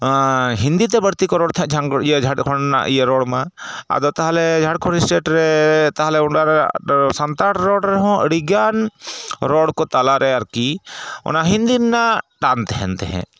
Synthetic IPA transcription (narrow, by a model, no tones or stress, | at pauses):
ɦind̪it̪̬ɛbəɾt̪ikɔɾɔɽt̪ʰɛd͡ʒʱaŋiəd͡ʒʱaɽkʰɔnna̰ʔijəɾɔɽmaa̰d̪ɔt̪aɦalɛd͡ʒʱaʈkʰɔɽisʈeʈɾɛt̪aɦlɛuɳɖaɾsant̪aʈɾɔɽɾɛɦɔ̃ʔə̰ɽiɡanɾɔɽkɔt̪alaɾɛaɾkiɔ̰naɦind̪inːaʈant̪ɛɦɛ̰nt̪ɛɦɛ̰̃